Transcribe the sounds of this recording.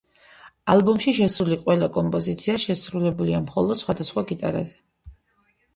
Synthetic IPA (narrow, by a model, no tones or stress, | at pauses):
alˠbɔmʃiʃɛsɾuliqʼwɛlakʼɔmpʼɔzit̪sʰiaʃɛsɾulɛbuliamχɔlˠɔd̪̥sχwad̪asχwaɡit̪ʼa̰ɾa̰zɛ